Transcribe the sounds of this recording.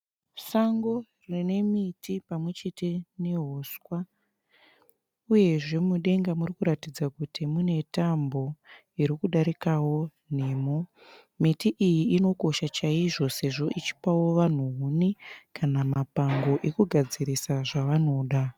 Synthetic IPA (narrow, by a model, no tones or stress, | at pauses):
saŋɡo̞rine̞mitʰipamwe̞t͡ʃe̞te̞ne̞ɦoskwa | uje̞ʐe̞muɗe̞ŋɡamurikuɾatid͡zakutimune̞tambo̞ | iɾikuɗaɾikawo̞ | n̤e̞ːmo | mitiʔijiino̞ko̞ʃat͡ʃaiʐo̞se̞ʐo̞ʔit͡ʃi̥pawo̞ʋan̤uɦunikanamapaŋɡo̞ʔe̞kuɡʱad͡ziɾisaʐaʋano̞ːɗa